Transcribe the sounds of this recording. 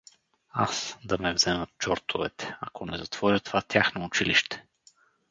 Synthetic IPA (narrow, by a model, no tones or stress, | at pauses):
asd̪ɐmɛvzɛmət̪̚t͡ʃɔɾt̪ovɛ̰t̪ɛ̥ɐkʰonɛzɐt̪v̥ɔɾʲət̪ovat̪ʲjaxnoːt͡ʃiliʃt̪ɛ̥